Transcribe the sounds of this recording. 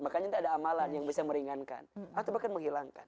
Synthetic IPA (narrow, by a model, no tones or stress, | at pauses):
makaɲant̪adaːmalanjaŋbisaməɾiŋanka̰nat̪awbakanməŋɦilaŋkan